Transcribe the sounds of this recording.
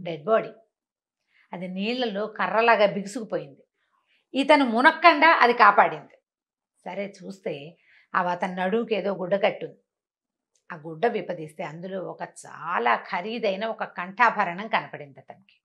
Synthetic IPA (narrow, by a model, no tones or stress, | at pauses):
ɖeɖ̚boːɽi | ɐd̪iniːɭːɐloːkɐrːɐlaːɡaːbiɡisukupoːjind̪i | it̪ɐnumunɐkːɐɳɖaːʔɐ̰d̪ikaːpaːɽind̪i | sɐɾe̞ːt͡ʃuːst̪e̞ː | ɐ̰ʋɐt̪ɐnunɐɽumukeːd̪o̞ːɡuɖːɐkɐʈːund̪i | aːɡuɖːɐʋipɐd̪ist̪e̞ːɐnd̪uloːɔkɐt͡ʃaːlaːkʰɐɾiːd̪ɐjnɐɔkɐkɐɳʈʰaːbʱɐɾɐɳɐŋkɐnɐpɐɽind̪iɐt̪ɐnɐki̥